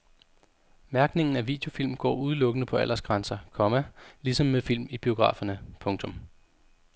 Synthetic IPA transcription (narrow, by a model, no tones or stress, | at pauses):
mæɐɡ̥ne̝ŋn̩æʋḭːd̥jo̝fil̰mɡ̥ɒ̰ːuð̞ˠlɔ̽ɡ̥ənəpʰɒ̽æl̰ɐsɡ̥ʁɑnsɐkʰɒ̽mælisɒ̽mːefil̰mib̥io̝ɡ̥ʁɑ̰̈ːfɐnəpʰɔ̽ŋt͡sʰɔ̽m